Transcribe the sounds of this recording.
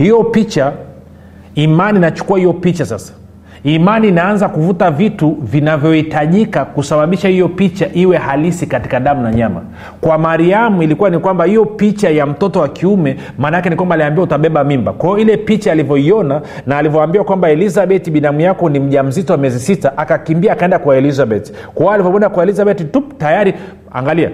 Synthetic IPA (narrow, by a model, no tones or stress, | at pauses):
hijɔpit͡ʃa | imaniːnat͡ʃu̥kuwahijɔpit͡ʃasa̰sḁ | imaniːnaanzakuvutavituvinavjɔhitaʄikakusaɓaɓiʃahijɔpit͡ʃaʔiwɛhalisikati̥kaɗamunaɲama̰ | kwamaɾiamuilikuwanikwambahijɔpit͡ʃajam̩tɔtɔwakʰiumɛ | maːnajakɛnikwambaːliambiautaɓɛɓamimba̰kwajɔilɛpit͡ʃaːlivjɔiɔna | naːlivjɔambiwakwambaɛlizaɓɛtiɓinamijakɔnim̩ʄam̩zitɔwamiɛzisitaʔakakimbiaːkaɛndakwaɛlizaɓɛti̥ | kɔɔalivɔpɛnakwaɛlizaɓɛtituptajaɾi | a̰ŋɡalia̰